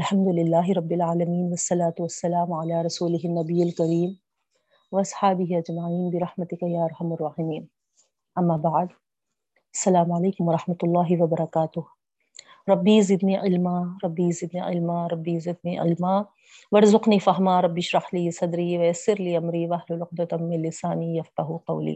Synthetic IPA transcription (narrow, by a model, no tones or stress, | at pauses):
ɐlħɐmd̪ʊlɪlːaːɦɪɾɐbːɪlʕaːlɐmiːnʋɐsːɐlaːt̪ʊʋɐsːɐlaːmʕalaːɾɐsuːlɪɦɪnːɐbijːɐlkɐɾiːm | ʋɐɐsˤħaːbɪɦiɐd͡ʒmaʕiːnbɪɾɑħmɐt̪ɪkajaːɐɾˤhɐmɐrˤːaːħɪmiːn | ɐmːaːbaʕd̪ | ɐsːɐlaːmʕɐleːkʊmʋɐɾˤɑħmɐt̪ʊlˤːaːɦɪʋɐbɐɾˤɐkaːt̪ʊh | ɾˤɐbːiːzɪd̪niːʕɪlmaːɾˤɐbːiːzɪd̪niːʕɪ̰lmaːɾˤɐbːiːzɪd̪̚niːʕɪ̰lmaː | ʋɐɾzʊqniːfɐɦmaːɾˤɐbːɪʃɾɑħliːsɐd̪ɾiːʋɐjɐsːɪɾliːʔɐmɾiːʋɐɐɦlʊlʊq̚d̪ɐt̪ɐmːɪnlːɪsaːniːjɐfqɑɦuqɐ̰wlḭː